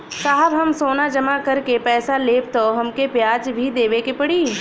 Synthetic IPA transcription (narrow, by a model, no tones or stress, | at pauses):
saːɦəbɦɐmsoːnad͡ʒɐmakɐɾkepɛːsaleːp̚t̪oɦɐmkepjaːd͡ʒbʱid̪eːʋekepɐɽiː